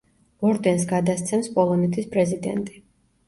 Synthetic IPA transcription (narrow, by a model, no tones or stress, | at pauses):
ɔɾd̪ɛnsɡad̪ast̪sʰɛmspʼɔlˠɔnɛt̪ʰispʼɾɛzid̪ɛ̰nt̪ʼi